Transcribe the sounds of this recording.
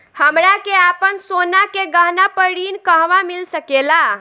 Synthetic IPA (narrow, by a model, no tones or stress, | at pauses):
həmɾakeapənsonakeɡəɦnapəɽinkəɦʋamilsəkela